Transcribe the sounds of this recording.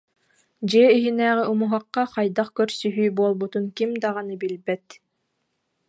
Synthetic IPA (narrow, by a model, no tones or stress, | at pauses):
d͡ʑiɛiɦinæːʁiʔumuɦaqːɑqɑjd̪aqkœɾsyɦyːbuɔlˠbut̪unkimd̪aʁɑnɯbilbɛt̪